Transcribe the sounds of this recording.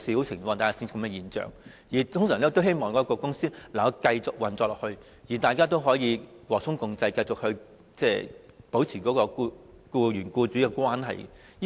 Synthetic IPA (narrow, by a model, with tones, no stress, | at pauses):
siː˨˥wt͡sʰɪ˨˩ŋfɔː˧ŋt̪aː˨˩ka˨˥si˥ni˨˧kɐ˧mɛ˧jiː˨˩nt͡ʃœ̰ː˨ŋ | jiː˨˩t̪ʰʊ˥ŋsœː˨˩ŋlɛː˥kt̪o˥whe˥jmɔː˨ŋkɔː˨˥kɔː˧kʊ˥ŋsiː˥lɐ˨˩˧kɐ˧jt͡sʊ˨k̚wɐ˨nt͡sɔː˧klɔː˨˩hɵ˧ɥ | jiː˨˩t̪aː˨jkaː˥t̪o˥wɦɔː˨˥jiː˨˧wɔː˨k̚sʰʊ˥ŋkʊ˧ŋt͡sɐ˧jkɐ˧jt͡sʊ˨k̚hɵ˧ɥ | t͡sɛː˥˩po˨˥wt͡sʰiː˨˩kɔː˨˥kɔː˧ku˧kuː˧ɥyː˨˩nkuː˧t͡syː˨˥kɛ˧kwaː˥nɦɐ̰˨j